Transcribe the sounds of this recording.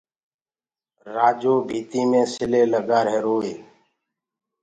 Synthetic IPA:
ɾaːd͡ʒoːbʱiːt̪iːmẽːsɪleːləɠaːɾɦeːɾoːeː

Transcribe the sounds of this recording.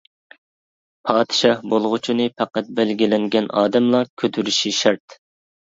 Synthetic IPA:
pʰɑːd̪ɨʃɑhbolˠʁʊt͡ʃʰinɨpʰæqæt̪̚bælɡʲilɪŋɡʲɛnɑ̰ːd̪ɛmlˠɑkʲʰøt̪ʰyɾyʃiʃɛɾt̪

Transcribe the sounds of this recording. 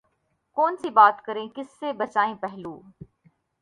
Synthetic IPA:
kɔːnsibaːt̪kɐɾẽkɪsːebɐt͡ʃaːẽpɛɦlũː

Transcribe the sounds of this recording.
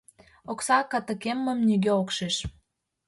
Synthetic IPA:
oksɑkə̆t̪ə̆kemːə̆mnyɡøokʃeʃ

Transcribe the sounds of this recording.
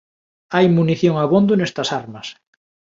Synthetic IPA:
ajmuniθjoŋaβond̪ʊnest̪ɐsaɾmɐs

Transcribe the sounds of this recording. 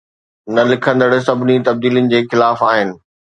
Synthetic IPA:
nɐlɪkʰə̃nd̪əɽsɐbʱɪnit̪ɐb̚d̪iːlijənɪ̆d͡ʑeːxɪlaːfaːɦɪnɪ̆

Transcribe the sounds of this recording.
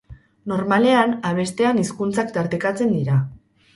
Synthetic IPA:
no̞ɾmale̞anaβ̞e̞st̪e̞aniskunt͡sakt̪aɾt̪ekat͡se̞nd̪iɾa

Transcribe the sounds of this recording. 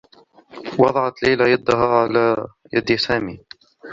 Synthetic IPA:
wɑd̪ˤɑʕɑt̪lajlajad̪ːaɦaːʕalaː | jad̪ɪsaːmiː

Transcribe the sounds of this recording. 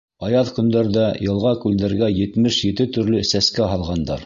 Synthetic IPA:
ɑjɑðkɵ̆nd̪æɾdæjɤ̆lˠʁɑkʉld̪æɾɡæjɘ̆t̪mɘʃjɘ̆t̪ɘt̪ɵ̆ɾlɵsæskæɦɑlˠʁɑnd̪ɑɾ

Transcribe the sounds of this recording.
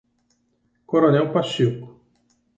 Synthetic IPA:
koɾonɛwpaʃikʊ̥

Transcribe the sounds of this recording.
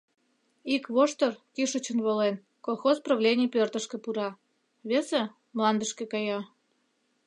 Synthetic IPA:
ikβoʃt̪orkiʃət͡ɕə̆nβolen | kolˠxospraβlʲenʲijpʲørt̪əʃkĕpuɾɑ | βʲese | mlˠɑnd̪əʃkekɑjɑ

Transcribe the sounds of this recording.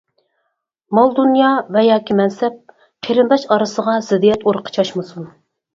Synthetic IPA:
mɑlˠd̪unjɑvɛjɑːkʲimɛnsɛp̚ | qʰeɾɨnd̪ɑʃɑɾɨsəʁɑz̥ɪd̪ijɛt̪oɾqʰə̥t͡ʃʰɑʃmɨsun

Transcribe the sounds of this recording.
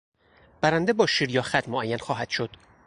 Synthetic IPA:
b̥æɾænd̪ebɒːʃiɾjɒːxæt̪moʔæjːænxɒːɦæd̪̥ʃod̪̥

